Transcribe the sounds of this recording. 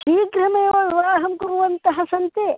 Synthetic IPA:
ʃiːɡɾɐmɐjɐʋɐɾʋaːɦɐmkuɾuʋɐnt̪ɐɦɐsɐnt̪e

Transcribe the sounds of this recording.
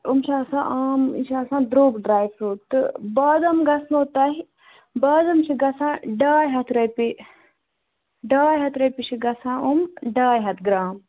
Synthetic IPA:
umʃʰaːsã̰ːʔaːmḭʃaːsãːd̪ɾoːɡɖɾaːjʋsuːt̪ɨbaːd̪ɐmɡɐsnoːt̪aːɦi | baːd̪ɐmt͡ʃʰiɡɐsãːɖaːjɦɐt̪ʰɾɐpi | ɖaːjɦɐt̪ʰɾɐpit͡ʃʰiɡɐsãːumɖaːjɦɐt̪ʰɡɾaːm

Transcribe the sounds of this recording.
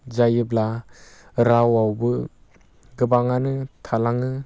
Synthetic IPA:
zajɯbla | ɾawawbɯ | ɡɯbaŋanɯtʰalaŋɯ

